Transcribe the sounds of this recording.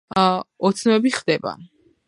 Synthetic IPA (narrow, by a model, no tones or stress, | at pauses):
ɔt̪sʰnwɛbiχd̪ɛba̰